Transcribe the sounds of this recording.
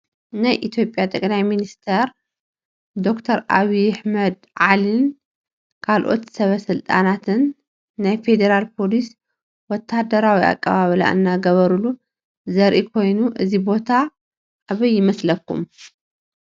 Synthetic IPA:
najʔit̪ʰjo̞pʼjat̪ʼɐkʼlajminist̪ʰɐɾ | d̪o̞kt̪ʰɐɾʔaβiaħmɐd̪ | ʕalin | kʰalʔo̞̰t̪sɐβɐsɨlt̪ʼa̰nat̪ʰɨnː | ajfe̞d̪ɐɾalpʰo̞lis | wɔt̪ʰːad̪ɐɾawia̰kʼːaβaβɨla̰ʔɨ̰nːaɡɐβɐɾulu | zɐɾʔikʰo̞jnuʔɨzibo̞t̪ʰa | ʔːβɐjːɪmɐslɐkːṵm

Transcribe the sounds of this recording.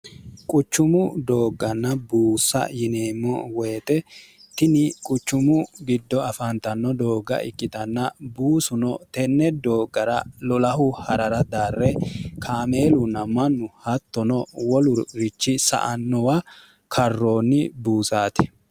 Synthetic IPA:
kʼʊt͡ʃːʊmʊd̪o̞ːɡːɐnːɐbuːsːɐ̰jɪneːmːɔwɛːt̪ʼɛt̪ɪnɪkʼʊt͡ʃːʊmʊɡɪd̪ːɔɐfɐnt̪ɐnːɔd̪o̞ːɡɐ̰ʔɪ̰kʼːɪt̪ɐnːɐbuːsʊnɔt̪ɛnːɛd̪oːɡɐɾɐlɔlɐɦʊhɐɾɐɾɐd̪aːrːɛkʰaːme̞ːlʊnːɐmɐnːʊhɐt̪ːɔnɔwɔlʊɾɾɪt͡ʃːɪsɐ̰ʔɐnːɔwɐ | kʰɐrːoːnːɪbuːsaːt̪ɛ̥

